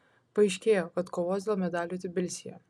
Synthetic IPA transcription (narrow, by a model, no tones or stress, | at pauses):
pɐɐɪʃʲkʲeːjoːkɐt̪koːʋoːsd̪ʲeːlˠmʲɛd̪ɑːlʲjoːt̪ʲɪbʲɪlʲsʲɪjɛ